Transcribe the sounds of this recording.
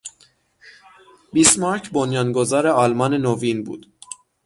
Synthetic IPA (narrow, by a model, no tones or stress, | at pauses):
bismɑɾcʰbonjɒnɡozɒɾeɒlmɒnenovinbṵːd̪̥